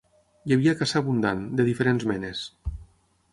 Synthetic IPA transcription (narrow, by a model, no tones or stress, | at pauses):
jaβiakasaβund̪and̪eðifeɾenzmɛnes